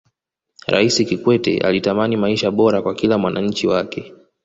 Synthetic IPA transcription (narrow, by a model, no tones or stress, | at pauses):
ɾa̰isikikwɛtɛ̰ʔa̰litamanimaiʃaɓɔɾakwakilamwana̰ɲ̩t͡ʃiwakɛ